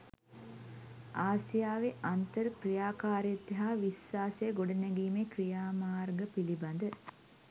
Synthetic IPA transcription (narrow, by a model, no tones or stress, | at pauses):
aːsijaːʋeʔant̪əɾkrijaːkaːɾet̪ːiɦaːʋisːaːsəjəɡoɖənæɡiːmekrijaːmaːrɡəpiliband̪ə